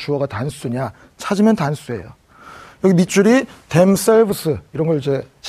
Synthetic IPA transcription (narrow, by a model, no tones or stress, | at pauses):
t͡ɕuʌɡatans͈ʰuɲa | t͡ɕʰad͡ʑimjʌntans͈ue̞̰jo̰ | jʌɡimit͡ɕ͈uɾite̞ms͈ʰeɭbɯsʰɯiɾʌnɡʌɭid͡ʑe̞t͡ɕ